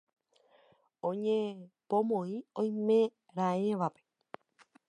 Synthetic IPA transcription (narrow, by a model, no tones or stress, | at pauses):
õɲẽpõmõĩõj̃mẽ | ɾaẽʋape̥